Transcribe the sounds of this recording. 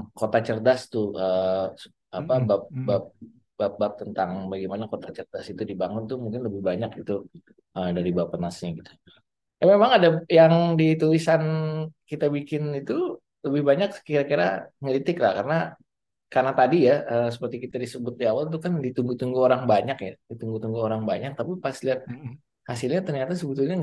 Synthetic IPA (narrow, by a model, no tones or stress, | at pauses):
kot̪at͡ʃərdast̪ʊəs | apabap̚bap̚ | bap̚bap̚t̪ənt̪aŋbaɡimanakot̪at͡ʃərdasit̪udibaŋʊnt̪umuŋkɪnləbɪhbaɲakit̪u | ədaɾibapanasɪɡit̪u̥ | amemaŋadajaŋdit̪ulisankit̪abikɪnit̪u | ləbɪhbaɲakkiɾakiɾa̰ŋəɾit̪ɪkla̰hkarəna | karnat̪adijaəsəpərt̪ikit̪adisəbʊt̪̚diawalt̪̬ukandit̪uŋɡut̪uŋɡuoɾaŋbaɲakjadit̪uŋɡut̪uŋɡuoɾaŋbaɲak̚t̪apipaasiliat̪̚ | hasɪlɲat̪ərɲat̪as̬əbət̪ulɲa